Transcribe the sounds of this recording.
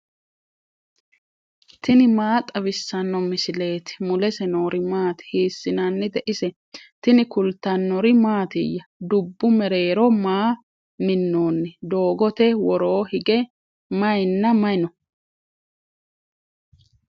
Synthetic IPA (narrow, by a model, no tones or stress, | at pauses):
t̪ɪnɪmaːt̪ʼɐβɪsːɐnːɔmɪsɪle̞ːt̪ɪ̥mʊlɛsɛno̞ːɾɪmaːt̪ɪ̥hiːsːɪnɐnːɪd̪ɛʔɪsɛ | t̪ɪnɪkʊlt̪ːɐnːɔɾɪmaːt̪ɪ̰jːɐd̪ʊbːʊmɛɾe̞ːɾɔmaː | mɪnːo̞ːnːɛd̪o̞ːɡɔt̪ɛwɔɾoːhɪɡɛ | mɐjnːɐmɐjnɔ